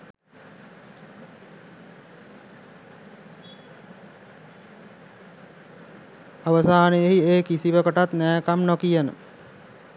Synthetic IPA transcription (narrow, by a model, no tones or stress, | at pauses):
aʋəsaːnəjeɦieːkisiʋəkəʈat̪næːkamnokijənə̰